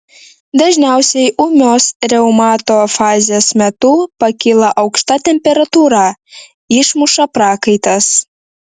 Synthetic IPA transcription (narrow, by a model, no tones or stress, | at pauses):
d̪ɐʒʲnʲæˑʊsʲɛɪʔʊmʲoːsɾʲɛʊmɑːt̪oːfɑːzʲeːsmʲɛt̪ʊpɐkʲɪlˠɐʔɐʊkʃt̪ɐt̪ʲɛmʲpʲɛɾɐt̪uːɾɑ | ɪʃmʊʃɐpɾɑːkɐɪt̪ɐs